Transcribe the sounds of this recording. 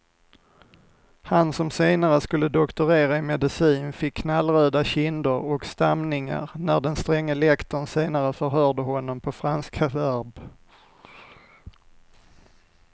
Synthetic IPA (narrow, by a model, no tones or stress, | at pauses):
hansɔmseːnaɾəskɵlːəd̪ɔkt̪ʊɾeːɾaɪmɛd̪ɪsiːnfɪkʰːnalːɾøːd̪aɕɪnd̪ʊɾɔkst̪amnɪŋa̰ɾnæɖɛnst̪ɾɛŋːəlɛkt̪ənseːnaɾəfœɾɦœːɖəhɔnːɔmpʰɔfɾanskʰavæɾb